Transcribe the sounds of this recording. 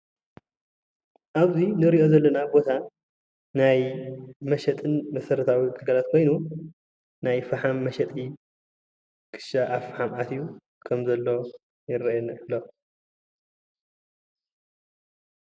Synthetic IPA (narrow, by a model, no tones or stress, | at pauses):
ʔaβzinɨɾiʔo̞zɐlːɐnabo̞t̪ʰa | najmɐʃɐt̪ʼɨnmɐsɐɾɐt̪ʰawit̪ʰʼɨɡalat̪̚kʰo̞jnu | najfɐħamːɐʃɐt̪ʼi | kʰɨ̥ʃaʔafħamʔat̪iju | kʰɐmzɐlːo | jɪɾɐɛnɐlːo